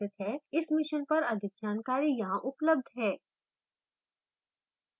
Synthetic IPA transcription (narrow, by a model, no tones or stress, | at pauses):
ɪt̪ɦɛɪsmɪʃənpɐɾɐd̪ʱɪk̚d͡ʒaːnkaːɾijɐɦãʔʊpləb̚d̪ʱɦɛː